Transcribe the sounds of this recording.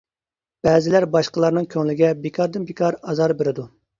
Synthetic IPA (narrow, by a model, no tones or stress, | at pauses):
b̥ɛːzɪlæɾbɑʃqəlˠɑɾnɨŋkʲʰøŋlɪɡʲɛbekʰɑɾd̪ɪnbekʰɑɾɑzɑɾbeɾɪd̪u